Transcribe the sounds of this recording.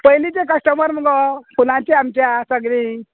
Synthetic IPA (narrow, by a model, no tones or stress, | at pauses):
pəjlit͡ɕekəsʈəməɾməɡɔpul̤ãt͡ɕeamt͡ɕjasəɡɽi